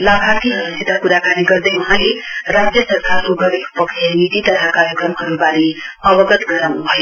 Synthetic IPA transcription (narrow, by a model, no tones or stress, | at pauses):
labʱat̪iɦʌɾuset̪akuɾakaniɡʌɾd̪ʌjmʌɦãleɾad͡zjʌsʌɾkaɾkoɡʌɾekpʌksʰenit̪it̪ʌt̪ʰakajokʌmɦʌɾubaɾiʌbʌɡʌt̪ɡʌɾanubʱʌj